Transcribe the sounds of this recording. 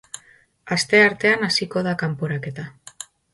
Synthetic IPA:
ast̪e̞aɾt̪e̞anasiko̞ð̞akampoɾake̞t̪a

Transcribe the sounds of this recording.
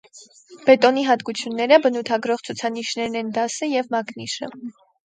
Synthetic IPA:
b̥ɛt̪ɔniɦɑt̪kut͡sʰjunːɛɾəbənut̪ʰɑɡɾɔʁt͡sʰut͡sʰɑniʃnɛɾnɛnd̪ɑsəjɛvmɑkniʃə̰

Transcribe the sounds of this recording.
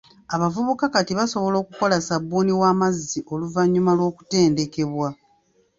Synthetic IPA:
aβavuβukakatiβaso̞βo̞lo̞ːkuko̞lasabːuːniwaːmazːiʔo̞luvaɲːumalwo̞ːku̥te̞ːnde̞ke̞βwa

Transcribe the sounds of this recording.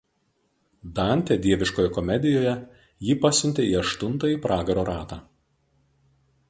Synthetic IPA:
d̪ɑˑnʲt̪ʲɛd̪ʲiɛʋʲɪʃkoːjɛkɔmʲɛd̪ʲɪjoːjɛ | jiːpɑsʲʊnʲt̪ʲeiːɐʃt̪ʊnt̪ɐiːpɾɑːɡɐɾoːɾɑːt̪ɑː

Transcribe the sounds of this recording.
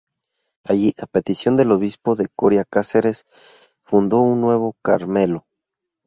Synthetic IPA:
aʝiʔape̞t̪isjo̞nd̪e̞lo̞β̞ispoðe̞koɾjakaseɾe̞s | fund̪o̞unːwe̞β̞o̞kaɾme̞lo̞

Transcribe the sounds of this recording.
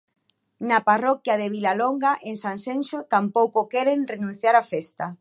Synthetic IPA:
naparɔkjaðeβilaloŋɡaʔeŋsansensot̪ampowkokɛɾenrenũn̟θjaɾafɛst̪a

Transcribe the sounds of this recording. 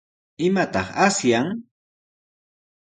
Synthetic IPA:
ɪmat̪ɑχasjaŋ

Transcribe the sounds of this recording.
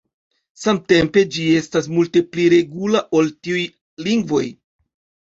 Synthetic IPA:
samte̞mpe̞d͡ʒie̞stas̬multe̞pliɾe̞ɡulaʔo̞ltiuj | liŋɡvo̞̰j

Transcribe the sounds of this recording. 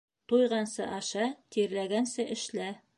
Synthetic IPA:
t̪ujʁɑnsɤ̰ʔɑʃɑt̪iɾlæɡænsɘʔɘ̆ʃlæ

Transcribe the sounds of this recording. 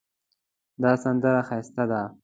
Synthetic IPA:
d̪ɑːsand̪əɾaxajst̪ad̪a

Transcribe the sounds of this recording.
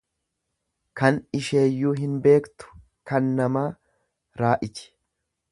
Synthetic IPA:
kɐnɪʃe̞ːjːuːɦɪnbe̞ːkt̪ʊ̥ | kɐnːɐmaː | ɾaːʔɪt͡ʃɪ̥

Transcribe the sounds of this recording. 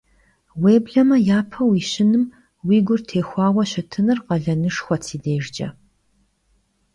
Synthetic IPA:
weːbɮɐmɐjaːpʰɐwiːɕɪnɨm | wiːɡʷʊrtʰeːxʷɑːwɐɕɐtʰɨnɨrqɐɮɐnɨʂxʷɔtʰiːdeːʒd͡ʒɐ̰

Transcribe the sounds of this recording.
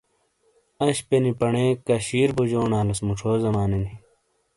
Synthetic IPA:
ɐɕpenipɐɳekɐɕiːɾbud͡ʑoːnaːlɐsmuʈ͡ʂʰoːzɐmaːneni

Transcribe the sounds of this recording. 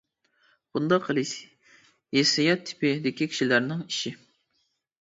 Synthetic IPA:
b̥und̪ɑqʰːəlˠɨʃ | jesɑjɑt̪ʰːɪ̥pɪd̪ɪkʲikʲʰi̥ʃilæɾnɪŋiʃɪ

